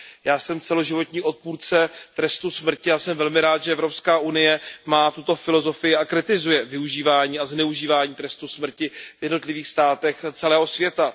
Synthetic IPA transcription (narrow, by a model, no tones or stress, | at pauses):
jaːsɛmt͡sɛlo̞ʒɪvo̞t̪ɲiːʔo̞t̪̚puːɾt͡sɛt̪ɾɛst̪usmr̩cɪjaːsɛmvɛlmɪɾaːt̪ʒɛʔɛvɾopskaːʔunɪjɛmaːt̪ut̪o̞fɪlo̞zo̞fɪjɪakɾɪt̪ɪzujɛvɪuʒiːvaːɲiːaznɛuʒiːvaːɲiːt̪ɾɛst̪usmr̩cɪvjɛdno̞t̪lɪviːxst̪aːt̪ɛxt͡sɛlɛːɦo̞svjɛt̪a